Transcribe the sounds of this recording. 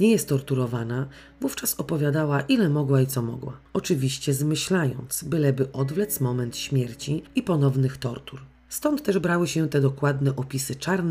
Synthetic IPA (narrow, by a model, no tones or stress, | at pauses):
ɲɛjɛst̪ːɔɾt̪uɾɔvana | vuft͡ʂasɔpɔvʲjad̪awaʔilɛmɔɡwait̪sɔmɔ̰ɡwa̰ɔt͡ʂɘvʲiɕt͡ɕɛzmɘɕlajɔ̰nt̪sbɘlɛbɘʔɔd̪vlɛt̪smɔmɛnt̪ɕmʲjɛɾt͡ɕiipɔnɔvnɘxt̪ɔɾt̪uɾ | st̪ɔnt̪ːɛʐbɾawɘɕɛt̪ɛd̪ɔkwad̪nɛʔɔpʲisɘt͡ʂaɾnɛ